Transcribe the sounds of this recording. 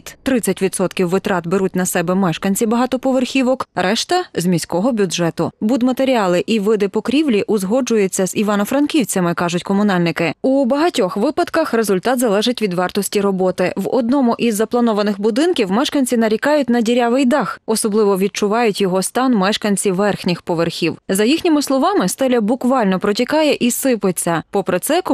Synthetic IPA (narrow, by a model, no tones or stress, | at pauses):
t̪t̪ɾɪt͡sʲːɐtʲʋʲid̪sɔt̪kʲiwːɪt̪ɾɑt̪beɾutʲnɐsɛbɛmɛʃkɐnʲt͡sʲibɐɦɑt̪ɔpɔʋerxʲiʋɔkɾʔɛʃt̪ɐzʲmʲisʲkɔɦɔbʲʊdʒɛt̪ʊbud̪mɐt̪eɾʲiɑlˠɪʔiʋɪd̪ɪpɔkɾʲiwlʲiʔʊzɦɔd͡ʒʊjet͡sʲːɐziʋɑnɔfɾɐnkʲiwt͡sʲɐmɪkɑʒʊtʲkɔmʊnɑlʲnɪkɪubɐɦɐtʲɔxʋɪpɐd̪kɐxrezʊlʲt̪ɑt̪zɐlˠɛʒɪtʲʋʲid̪ʋɑrt̪ɔsʲtʲiɾɔbɔt̪ɪʋɔ̰d̪nɔmʊʔizːɐplˠɐnɔʋɐnɪxbʊd̪ɪnkʲiwmɛʃkɐnʲt͡sʲinɐɾʲikɑjʊtʲnɐdʲiɾʲaʋɪjd̪ɑxɔsɔblˠɪʋɔʋʲid̪̚t͡ʃʊʋɑjʊtʲjɔɦɔst̪ɑnmɛʃkɐnʲt͡sʲiʋɛrxnʲɪxpɔʋerxʲiwzɐjixnʲimɪslˠɔʋɑmɪst̪ɛlʲɐbʊkʋɑlʲnɔpɾɔtʲikɑjɛʔisɪpɪt͡sʲːɐpɔpɾet̪sɛk